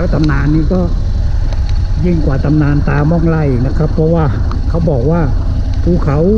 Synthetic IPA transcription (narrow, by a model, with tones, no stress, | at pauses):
wt̪a˧mnaː˧nːiː˧˥˩k̪ɔː˥˩˨ | ji˧˩ŋkwaː˨˩t̪a˧mnaː˧nt̪aː˧mɔː˧˥˩ŋla˧˩jna˦˥˩kʰa˦˥pʰːɔ˧˥waː˧˩ | kʰa˦˥˩wbɔː˨˩k̚waː˧˩ | pʰuː˧˩kʰa˨˦w